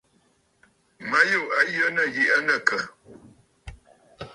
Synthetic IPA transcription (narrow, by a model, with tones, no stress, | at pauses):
ma˦jo˦˨ʔa˨˦jə˦nə˦˨ji˨ʔə˦nə˦˨kə˨